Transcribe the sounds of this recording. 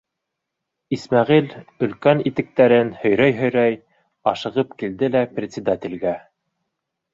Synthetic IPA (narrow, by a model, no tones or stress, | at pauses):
ismæʁilɵ̆lkænit̪ɘ̆k̚t̪æɾɘnhɵ̆jɾæjɦɵ̆jɾæj | ɑʃɤ̆ʁɤpkild̪ɘlæprʲɪt̪ʲsʲɪd̪at̪ʲɪ̆lɡæ